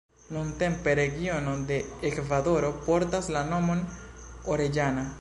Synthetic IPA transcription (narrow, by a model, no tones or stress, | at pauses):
nunt̪e̞mpe̞ɾe̞ɡio̞nod̪e̞ːkvad̪o̞ɾo̞po̞ɾt̪aslano̞monoɾe̞d͡ʒana